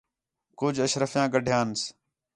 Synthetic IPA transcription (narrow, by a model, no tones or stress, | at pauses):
kʊd͡ʒʱəʃɾəfjãːɡəɖʱjãːns